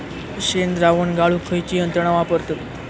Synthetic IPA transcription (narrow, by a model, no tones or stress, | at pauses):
ɕend̪ɾaʋəɳɡaɭukʰəjt͡ɕiːənt̪ɾəɳ̃aʋapəɾt̪ət̪